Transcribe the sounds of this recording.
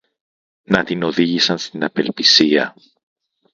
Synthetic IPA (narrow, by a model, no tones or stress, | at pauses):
nɐt̪ino̞ðiʝisɐnst̪inɐpe̞lpisiɐ̰